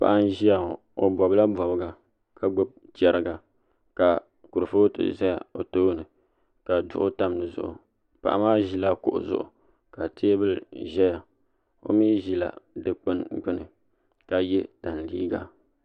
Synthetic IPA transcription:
pa̰˨ʔa˦n˦ʒi˦a˨ | o˨bɔ˨bɨ˦la˦bɔ˨bɨ˨ɡa˨ | ka˨ɡ͡bo˦b̚t͡ʃɛ˦ɾɨ˦ɡa˨ | ka˨ | ku˨ɾɨ˨fo˦tɨ̰˨za˦ja˨o˨toː˦nɨ˨ | ka˨dʊ˨ʔʊ˦ta˦mnɨ˨zʊ̰˦˨ʔʊ̰˨ | pa̰˨ʔa̰˦maː˦ʒi˦la˦kʊ̰˨ʔʊ̰˨zʊ̰˦˨ʔʊ̰˨ | ka˨tʰeː˦bɨ˦lʒɛ˦ja˨ | o̰˦miː˦ʒi˦la̰˨dɨ˨k͡pɨ˦nɡ͡bɨ˦nɨ˨ | ka˨jɛ˦ta˨n˨lḭː˦ɡa̰˨

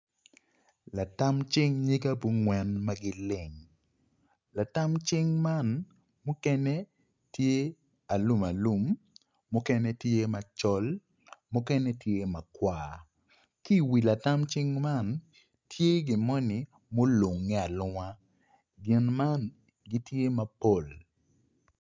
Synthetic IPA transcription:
la˨ta˦mt͡ʃɪ˦ŋɲi˦ɡa˦bu˦ŋwɛ˦nma˦ɡɪ˦lɪ˨ŋ | la˨ta˦mt͡ʃɪ˦ŋma˦˨n | mʊ˦kɛ˦nɛ˦ | tje˦ | a˨lu˦ma˨lu˦mː | ʊ˦kɛ˦nɛ˦tje˦ma˨t͡ʃɔ˦l | mʊ˦kɛ˦nɛ˦tje˦ma˨kwaː˨ | ki˦˨wi˨la˨ta˦mt͡ʃɪ˦ŋma˦˨n | tʰje˦ɡɪ˨mɔ˦nɪ˨ | mo˦lu˨ŋːɛ˦a˨lʊ˦ŋa˦ | ɡɪ˨nma˦n | ɡi˦tje˦ma˨po˦˨l

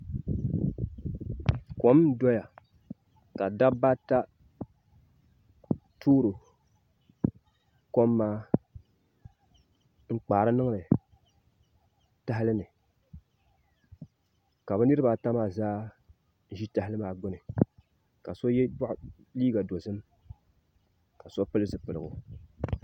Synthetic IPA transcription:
ko˨m˦dɔ˦ja˨ | ka˨da˦ba˦ta˦ | tʰuː˦ɾɨ˨ | ko˦mːaː˦ | ŋ͡m̩˦k͡paː˨ɾɨ˦nɨ˦ŋ˦lɨ˨ | ta˦ɦɪ˦lɨ˦nɨ˨ | ka˨bɛ˦nɨ˦ɾɨ˦ba˨ta˦maː˦˨zaː˦ | n̩˦ʒi˦ta˨˦hɪ˦lɨ˦maː˨˦ɡ͡bʊ˦nɨ˨ | ka˨so˦jɛ˦ba˦ʔ | liː˦ɡa˨do˨zɨ˦m | ka˨so˦pɨ˦lɨ˦zɨ˨pɨ˨lɨ˨ɡʊ̰˨

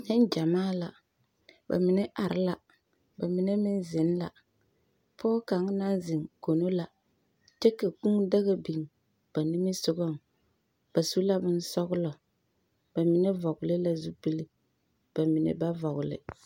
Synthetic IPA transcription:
ɲɛ˦n˦d͡ʒa˨maː˦la̰˨ | ba̰˨mɪ˨nɛ˦ʔa˨ɾɪ˦la˨ | ba˨mɪ˨ne˦mɪ˦n˦zɪ˨˦n˦la̰˨ | pʰɔː˦ka˨˦ŋ˦na˦nzɪ˨ŋko˨no˦la˨ | t͡ʃe˦ka˨ku˦ŋda˦ɣa˦bi˨ŋ | b̥a˨ni˦mi˦sʊ˦ɡɔ˦˨ŋ | b̥a˨su˦la˦bɪ˦n˦sɔ˦ɡʊ˦lɔ˨ | b̥a˨mɪ˨ne˦vɔ˨ɡʊ˨lɪ˦la˨zu˦pi˦li˦ | b̥a˨mɪ˨nḛ˨ba˦vɔ˨ɣʊ˨lɪ̰˨

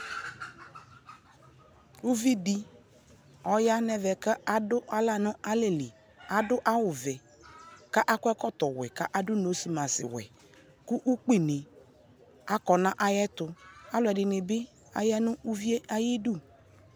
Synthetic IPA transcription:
u˦vi˦di˦ | ɔ˨ja˦nɛ˨vɛ˨kə˦a˨dʊ˦ʔa˦la˦nʊ̃˦a˦le˨li˨ | a˨dʊ˦ʔa˦wʊ˨vɛ˨ | ka˦ʔa˦kʷɛ˦kɔ˦t̪ɔ˨wɛ̰˨ka˦ʔa˦dʊ˦no˨˦si˨mã˨sɪ̰˨wɛ̰˨ | kʊ˦ʔu˦k͡pi˨nɪ˨ | a˨kɔ˨nã˦ʔa˦jɛ˦t̪ʊ˨a˦lʊ˨ɛ˨dɪ˨nɪ˨bɪ˦ | a̰˦jɛ˦nʊ̃˦u˦vi˦e˦ʔa˦ji˦du˦˨

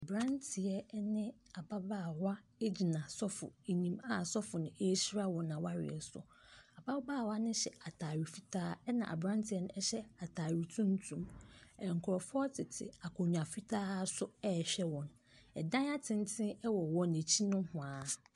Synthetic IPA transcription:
a˨bɾã˦ntʰɪ˨ɛ˨nɪ̃˦a˨ba˦baː˦˨wa˦e˦d͡ʑi˨nã˨sɔ˦fʊ̰˨e˨ɲĩ˦ma˦˨sɔ˦fʊ˨nʊ̃˨e˦ɕi˦ɾa˦wɔ̃˨nːã˨wa˦ɾɪ̰˨ɛ˨sʊ̰˨ | a˨ba˦baː˦˨wa˦nʊ̃˦ɕɛ˨a˨tʰaː˨ɥi˨fi˦tʰaː˦ɛ˦nã̰˨ʔa̰˨bɾã˦n˦tʰi˨ɛ˦nʊ̃˦ɛ˦ɕɛ˦a˨tʰaː˨ɥi˨tʰũ˦n˦tʰũ˦mɛ˨ŋ̩˨kʰʊ˨ɾɔ˨fʊ˦ɔ˦tʰɪ˨tʰɪ̰˨a˨kʰʊ̃˨ɲᶣ˨ã˨fi˦tʰaː˦sʊ˦ɛ˦˨ɕᶣɛ˦wɔ̃˨n˨ | ɛ˨dã˦a˦tʰɪ̃˦n˦tʰɪ̃˦ɛ˦wɔ˨wɔ̃˦˨ne˨t͡ɕʰi˦nʊ̃˦hʊ̃˨aː˨

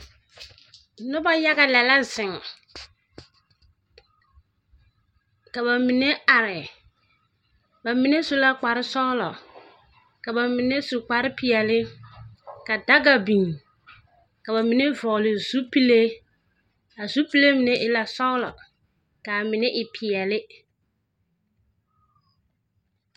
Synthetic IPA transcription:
nʊ˦ba˦ja˦ɡa˨lɛ˨la˦zɪ˨ŋ | ka˨ba˨mɪ˨ne˦a˨ɾɪ˨ | ba˨mi˨ne˦su˦la˦k͡pa˨ɾɪ˦sɔ˦lɔ˨ | ka˨ba˨mɪ˨ne˦su˨k͡pa˨ɾɪ˦pɪ˨ɛ˨lɪ˦ | ka˨da˦ɡa˨bi˨ŋ | ka˨ba˨mɪ˨ne˦vɔ˨lɪ˨z̥u˦pi˦le˦ | a˨zu˦pi˦le˦mɪ˦nɛ˦ʔɪ˦la˨sɔ˦lɔ˨ | ka˨mɪ˨nɛ˦ʔɪ˨pʰɪ˨ɛ˨lɪ˦

